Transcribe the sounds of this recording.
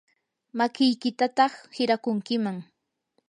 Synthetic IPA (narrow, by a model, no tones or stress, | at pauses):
makɪjkɪt̪at̪ɑχhɪɾakʊŋkɪmaŋ